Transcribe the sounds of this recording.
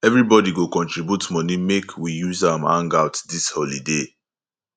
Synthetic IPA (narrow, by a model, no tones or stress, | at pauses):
ɛvɹibɔdiɡokɔ̃ntɹibjutmɔnimekʰwijuzãmã̰ŋɡaʊtdishɔlide